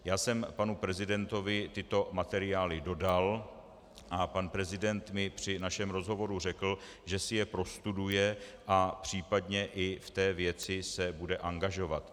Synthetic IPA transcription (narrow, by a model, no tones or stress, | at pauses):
jaːsɛmpanupɾɛzɪdɛnt̪o̞vɪt̪ɪt̪o̞mat̪ɛɾɪaːlɪdo̞dal | ʔapanpɾɛzɪdɛnt̪mɪpr̝̥ɪnaʃɛmɾo̞zɦo̞vo̞ɾur̝ɛkl̩ | ʒɛsɪjɛpɾo̞st̪udujɛʔapr̝̥iːpadɲɛʔɪft̪ɛːvjɛt͡sɪsɛbudɛʔaŋɡaʒo̞vat̪